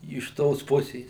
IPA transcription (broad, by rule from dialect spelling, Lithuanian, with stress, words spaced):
ɪʃ ˈtoːs ˈpʊsʲeːs